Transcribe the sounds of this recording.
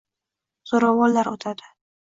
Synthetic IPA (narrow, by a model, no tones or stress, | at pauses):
z̥oɾawɒllaɾot̪ʰad̪ɪ